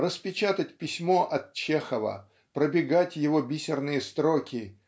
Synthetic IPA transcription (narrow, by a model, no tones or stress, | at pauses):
rəspʲɪt͡ɕat̪ətʲpʲɪsʲmo̞ʔɐt̪̚t͡ɕexəvə̰ | pɾəbʲɪɡatʲjɪvo̞bʲisʲɪrnɨjəst̪ɾokʲɪ